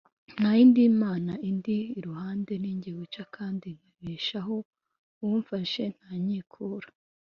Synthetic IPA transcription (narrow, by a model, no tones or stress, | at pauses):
n̥hajindimaːnaʔindiːɾuhaːnde̞niːɲɟiɡut͡ʃakʰaːndiŋ̥haβiːʃaɦo̞ | wuɱfaʃe̞n̥haːɲiːkʰuːɾa